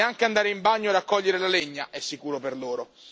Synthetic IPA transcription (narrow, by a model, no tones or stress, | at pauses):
eaŋkeand̪aːɾeimbaɲːoadakːɔʎːeɾelaleɲːaʔɛsːikuːɾoperloːɾo